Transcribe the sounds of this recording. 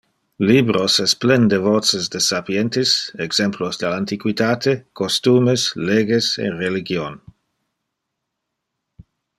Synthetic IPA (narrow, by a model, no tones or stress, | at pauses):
libɾosɛsplɛnd̪evɔt͡sesd̪esapjɛnt̪isɛɡz̥ɛmplosd̪alant̪ikwit̪aːt̪ʰekost̪uːmesleɡesḛreliɡjon